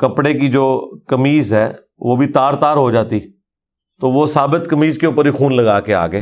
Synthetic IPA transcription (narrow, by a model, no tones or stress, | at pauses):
kəpɽekid͡ʒoːkɐmiːzɦɛː | ʋoːbʱit̪aːɾt̪aːɾɦod͡ʒaːt̪iː | t̪oːʋoːsaːbɪt̪kəmiːzkeʊːpəɾixuːnləɡaːkea̰ːɡəeː